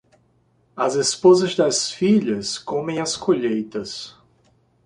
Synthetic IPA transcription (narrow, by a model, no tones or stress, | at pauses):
ɐzespozɐzd̪ɐsfiʎɐskõmẽj̃ɐskoʎejt̪ɐs